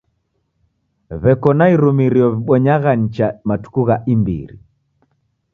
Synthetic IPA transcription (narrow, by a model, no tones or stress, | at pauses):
βɛkɔnaiɾumiɾiɔβiɓɔɲaɣaɲ̩t͡ʃamatu̥kuɣaʔimbḭɾḭ